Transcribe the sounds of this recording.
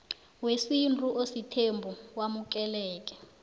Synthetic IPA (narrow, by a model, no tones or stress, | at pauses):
wesintʼuʔositʰembʱuwamuk̬ʼɛlɛːk̬ʼɛ̥